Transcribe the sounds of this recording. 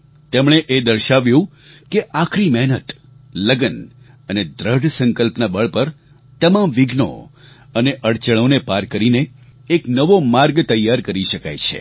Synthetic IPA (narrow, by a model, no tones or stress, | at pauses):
t̪emɽ̃eʔed̪əɾʃaʋjũ | keʔakʰɾimɛɦnət̪ | ləɡən | əned̪ɾəɖʱsə̃ŋkəlpnabəɭpəɾ | t̪əmamʋɪɡʱno̰ | əneʔəɽt͡ʃəɭ̃onepaɾkəɾineː | knəʋomaɾɡt̪əjːaɾkəɾiʃəka̰jt͡ʃʰḛ